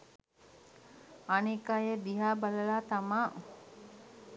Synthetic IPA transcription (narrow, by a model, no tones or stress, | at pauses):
anikajəd̪iɦaːbaləlaːt̪amaː